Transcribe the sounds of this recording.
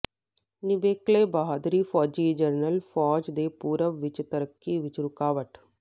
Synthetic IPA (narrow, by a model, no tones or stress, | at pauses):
nɪʋeːkleːbaɦad̪ɾiːfʰɔːd͡ʒiːd͡ʒəɾnəlfʰɔːd͡ʒd̪eːpuːɾəʋʋɪt͡ʃt̪əɾəkːiːʋɪt͡ʃɾʊkaːʋəʈ